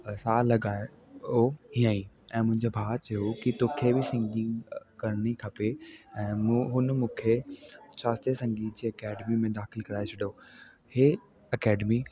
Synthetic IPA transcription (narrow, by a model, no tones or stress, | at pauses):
saːlɐɡaːe | oɦĩãĩ | ɛ̃ːmʊ̃ɦɪ̃ɲd͡ʑobʱaːt̪t͡ɕɐjokit̪okʰebɪsɪ̃ŋɡɪ̃ŋɡkɐɾɽ̃ikʰɐpeɛ̃ːmɦʊnmũːkʰet͡ɕaːst̪esɐ̃ŋɡiːt̪̚d͡ʑeːɐkɛːɖmimẽd̪aːxɪlkɐɾaːet͡ɕʰɐɗo | heː | ɐkɛːɖmi